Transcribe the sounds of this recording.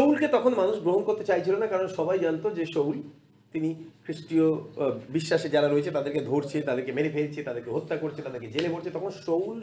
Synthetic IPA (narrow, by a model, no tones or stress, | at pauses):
owlket̪ɔkʰonmanuʃɡɾoɦonkoɾt̪et͡ɕajt͡ɕʰilonakaɾonʃɔbajd͡ʑant̪od͡ʑeʃowl | t̪inikʰɾiʃʈiobiʃːaʃed͡ʑaɾaɾoet͡ɕʰet̪ad̪eɾked̪ʱoɾt͡ɕʰet̪ad̪eɾkemeɾefeɾt͡ɕʰet̪ad̪eɾkeɦot̪ːakoɾet͡ɕʰet̪ad̪eɾked͡ʑeleboɾt͡ɕʰet̪ɔkʰonʃowl